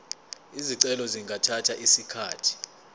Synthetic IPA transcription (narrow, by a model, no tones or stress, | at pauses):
iziǀɛlɔziŋɡʱatʰatʰaʔisikʰaːtʰi̥